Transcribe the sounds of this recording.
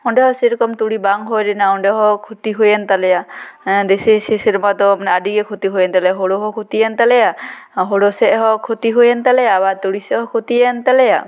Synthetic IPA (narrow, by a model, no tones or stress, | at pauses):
ɔnɖɛɦɔsiɾɔkɔmt̪uɽibaŋɦojɾinaɔɳɖɛɦɔkʰut̪iɦojɛnt̪alɛjad̪esisisiɾmat̪ɔmanɛadiɡɛkʰot̪iɦojɛnt̪alɛaɦoɽoɦɔkʰut̪ijɛnt̪alɛjaɦoɽosɛʔɦɔkʰot̪iɦojɛnt̪alɛjabat̪uɽisɛɦɔkʰot̪ijɛnt̪alɛja̰